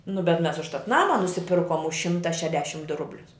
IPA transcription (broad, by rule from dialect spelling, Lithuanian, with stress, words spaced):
nʊ bʲɛt mʲɛs ʊʃˈtɐt ˈnɑːmɐ nʊsʲɪˈpʲɪrkoːm ʊʃ ˈʃʲɪmtɐ ʃʲɛˈdʲɛʃm dʊ ˈrʊbʲlʲʊs